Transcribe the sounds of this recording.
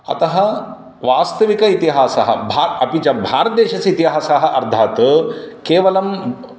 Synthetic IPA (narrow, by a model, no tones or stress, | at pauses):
ɐ̰t̪ɐɦɐ | ʋaːst̪ɐʋikɐit̪iɦaːsɐɦɐ̰bʱaɐpit͡ʃɐbʱaːɾɐt̪̚d̪eːʃɐsit̪iɦaːsaːɦɐ̆ʔɐɾd̪ʱaːt̪keːʋɐlɐm